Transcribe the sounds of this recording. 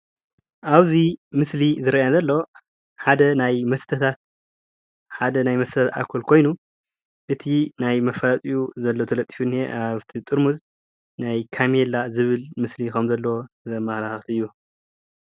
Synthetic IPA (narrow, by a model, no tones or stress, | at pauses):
ʔaβzimɨslizɨɾajazɐlːo̞ | ħad̪ɐnajmɐst̪ʰɐt̪ʰat̪̚ | ħad̪ɐnajmɐst̪ɐt̪at̪a̰kʰɐlkʰo̞jnu | ʔɨt̪ʰinajmɐfɐlat̪ʼijuzɐlːot̪ʰɐlɐt̪ʼːi̥funːeʔaβt̪ʰit̪ʼɨɾmuz | najkʰamjelazɨβɨlmɨslikɐmzɐlːo | zɐmɐxlaxɐxt̪ʰiɨjːu